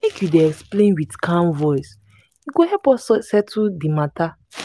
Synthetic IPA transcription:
mekʰjudeɛksplẽnwitkʰãnvɔɪs | juɡohɛpɔsɛtʰudimata

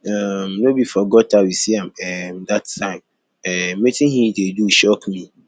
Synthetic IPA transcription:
amnobifɔɡɔtawisiɛ̃mɛmdatʰːãɪ̃m | ɛmetʰɪ̃hĩdeduʃɔkmĩ

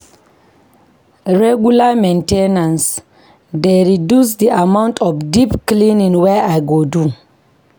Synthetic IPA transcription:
ɹɛɡulamẽntenãns | deɹidusd̪iʔamãw̃ntʰɔfdipklĩnĩnwɛʔajɡodu

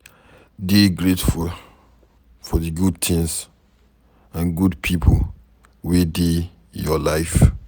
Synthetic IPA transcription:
deɡɹetful | fɔðɨɡud̚t̪ʰɪ̃ŋs | ãnɡudpʰipʰol | wede | jɔlaɪf

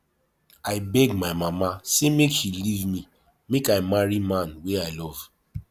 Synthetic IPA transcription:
aɪbɛɡmaɪmamasemekʃilivmĩ | mekaɪmaɹimãnweaɪlɔv̥

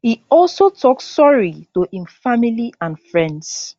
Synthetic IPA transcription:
hiɔlsotʰɔksɔɹitohĩmfamiliãnfɹɛ̃nds

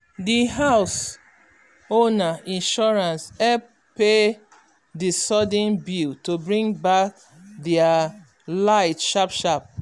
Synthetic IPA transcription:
diɦaʊs | onaʔĩnʃɔɹãnsɛ | pe | disɔdĩnbiltobɹĩŋbak̚ | dɛa | laɪtʃapʃap̚

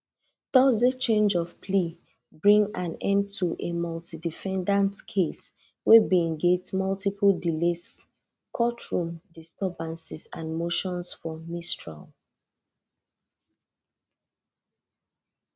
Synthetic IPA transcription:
d̥ɔzet͡ʃẽnd͡ʒɔvpʰli | bɹĩŋãnɛ̃nd̚tʰuʔemɔltidifɛ̃ndãntkʰes | webiɛ̃ŋɡed͡ʒdmɔltipldiles | kʰɔtʰɹũmdistɛbãnsisã̰nmoʃɔ̃nsfɔmistɹa̰l

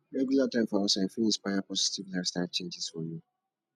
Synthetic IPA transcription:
ɹeɡjulatãɪmfɔɔsɛ̃nfinispajapɔzitivlaɪfstaɪt͡ʃẽnd͡ʒiz̥fɔju

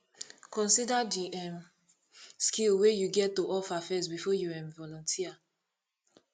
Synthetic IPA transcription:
kɔ̃nsidadiɛm | skilwejuɡɛtːoʔɔfafɛsbifɔjuɛ̃mvɔlɔ̃ntʰia

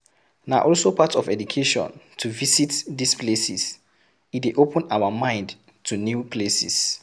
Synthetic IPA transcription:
na̰ʔɔlsopʰatɔfɛdukʰeʃɔ̰̃ntʰuvisitdisplesḭs | itweʔopə̃naʊwəmãɪ̃nd | tʰunjupʰlesḭs

